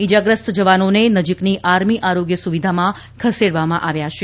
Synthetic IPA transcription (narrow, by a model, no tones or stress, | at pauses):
id͡ʒaɡɾəst̪ʰd͡ʒəʋanonenəd͡ʒikniʔaɾmiʔaɾoɡjəsuʋid̪ʱamã | kʰəseɽʋamãʔaʋjaʃʰe